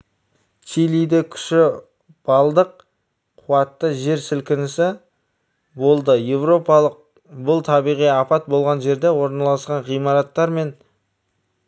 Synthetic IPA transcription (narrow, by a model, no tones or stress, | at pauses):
t͡ʃʰilʲijd̪ekʲʰʏ̥ʃɪ | b̥ɑlˠd̪əq̚ | qʰuwɑt̪ːəʒe̞ɾsɪlkʲɪnɪsɪ | bo̞lˠd̪əje̞vɾo̞pɑlˠəq̚ | bʊlˠt̪ʰɑbijʁijɑpɑt̪̚bo̞lˠʁɑnʒe̞ɾd̪e̞wo̞ɾnɑlˠɑsqɑnʁijmɑɾɑt̪ːɑɾme̞n